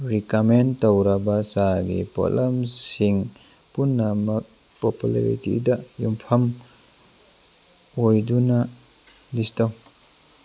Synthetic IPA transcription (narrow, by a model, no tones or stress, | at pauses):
ɾikamentowɾɐbɐsaɡḭpɔ̰lamsiŋ | punːɐmɐk̚ | popula̰ɾḭtḭdɐjumpʰɐm | ojdunɐ | distaw